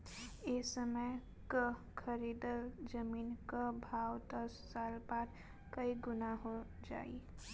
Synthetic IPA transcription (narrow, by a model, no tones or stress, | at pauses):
esəməj | kə | kʰəɾiːd̪əld͡ʒəmiːnkəbʱaːwt̪əssaːlpaːɾ | kəiɡʊnaɦo | d͡ʒa̰ːḭ